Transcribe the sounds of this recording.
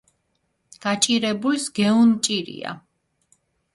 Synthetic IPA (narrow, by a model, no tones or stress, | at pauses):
ɡ̥at͡ʃʼiɾɛbulisɡɛunt͡ʃʼiɾḭa̰